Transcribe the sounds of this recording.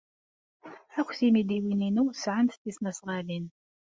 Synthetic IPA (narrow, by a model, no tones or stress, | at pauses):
ækʷːθimid̪iwininusʕənt̪t̪ːisnæsʁɑlin